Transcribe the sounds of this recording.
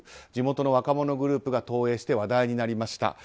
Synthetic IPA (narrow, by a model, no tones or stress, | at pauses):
d͡ʑimo̞t̪o̞no̞βakamo̞no̞ɡɯ̟ɾɯ̟ːpɯ̟ɡat̪o̞ːe̞ːɕi̥t̪e̞βad̪aiɲ̟inaɾʲimaɕi̥t̪a̰